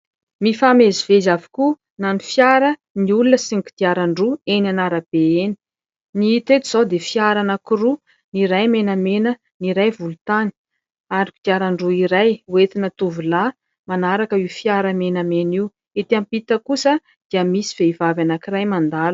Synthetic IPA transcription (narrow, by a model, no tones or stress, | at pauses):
mifamezivezavi̥ku | nanifjaɾə | niulunəsinki̥d̪̥iaɾaɳɖ͡ʐuenanaɾəb̥eeni̥ | niit̪et̪uz̥awd̪efiaɾanakuɾu | niɾajmenəmenə | niɾajvulut̪ani̥ | aɾikid̪̥iaɾaɳɖ͡ʐuiɾajuwet̪inət̪uvula | manaɾakəiwfjaɾəmenameniw | et̪ampit̪əkusə | d̪̥iəmisi̥v̥eivavanakirajmand̪al